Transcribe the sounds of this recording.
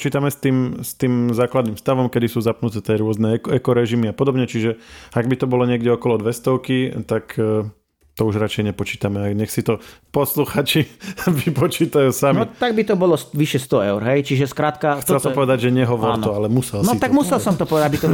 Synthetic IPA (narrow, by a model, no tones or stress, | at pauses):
t͡ʃiːt̪amɛst̪iːmst̪iːmzaːklad̪niːmfst̪aʋɔmkɛd̪isuːzapnut̪ɛːt̪ɪɛɾʊɔznɛɛkɛkɔɾɛʒimiapɔd̪ɔbɲɛt͡ʃiʒɛaɡbit̪ɔbɔlɔɲɪɛɡɟɛɔkɔlɔd̪ʋɛst̪ɔʊkit̪akː | t̪ɔuʒɾat͡ʃɛjɲɛpɔt͡ʃiːt̪amɛaɲɛxsit̪ɔpɔsluxaːt͡ʃiʋipɔt͡ʃiːt̪ajuːsamniɔt̪aɡ̚bit̪ɔbɔlɔsʋiʃjɛst̪ɔɛʊɾɦɛjt͡ʃiʒɛskɾaːt̪kaxt͡sɛlsɔɔmpɔʋɛd̪aɟʒɛɲɛɦɔʋɔɾnt̪ɔalɛmusɛlnsɔit̪aɡmusɛlsɔmt̪ɔpɔʋɛd̪abit̪ɔ